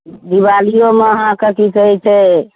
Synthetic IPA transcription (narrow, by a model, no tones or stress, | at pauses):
d̪ibalijomeəɦãkekikəɦɛt͡ʃʰɛ